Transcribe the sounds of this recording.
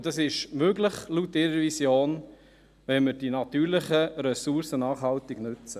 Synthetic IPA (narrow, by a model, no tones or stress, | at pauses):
d̥ɑsɪʃmøɡlɪχlutɪɾəɾvisjoːn | ʋɛnməɾd̥inɑt̪yːɾlɪχəɾɛsuɾsənɑːχhɑlt̪ɪɡ̥nøt͡sə